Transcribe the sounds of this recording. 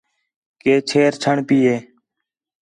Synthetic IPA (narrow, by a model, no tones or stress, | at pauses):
keːt͡ʃʰeːɾt͡ʃʰəɳpiːeː